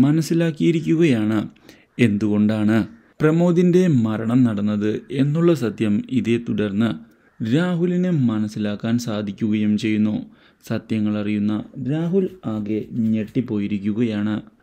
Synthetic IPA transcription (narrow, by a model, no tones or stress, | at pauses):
mɐnɐsːilaːkːijiɾikʲːuɣɐjaːɳɨ | e̞nd̪uɣo̞ɳɖaːɳɨ | prɐmoːd̪inde̞mɐɾɐɳɐmnɐɽɐnːɐðɨe̞nːuɭːɐsɐt̪jɐmiðe̞t̪uɽɐrnːɨ | ɾaːɦulinɨmɐnɐsːilaːkːaːnsaːd̪ʱikʲːuɣɐjumt͡ɕe̞jːunːo | sɐt̪jɐŋːɐɭɐrijunːɐɾaːɦulaːɣeɲe̞ʈːipo̞ːjiɾikʲːuɣɐjaːɳɨ